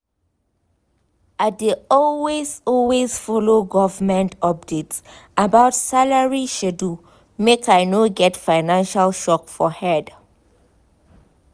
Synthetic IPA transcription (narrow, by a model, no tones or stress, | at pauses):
adeɔlwezɔlwezfɔloɡɔvmɛ̃ntɔp̚detsabaʊtsalaɹiʃɛdu | mekʰajnoɡɛtfaɪnãnʃalʃɔkfɔhɛd